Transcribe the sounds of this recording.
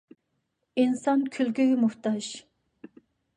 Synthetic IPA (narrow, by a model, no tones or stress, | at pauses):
insɑnkʲʰylkʲyɡymuht̪ɑʒ